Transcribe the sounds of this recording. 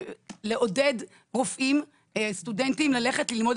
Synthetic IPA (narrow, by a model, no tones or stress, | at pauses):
leʔo̞ded̪ | ʁofʔim | st̪udent̪imlale̞χet̪lilmod̪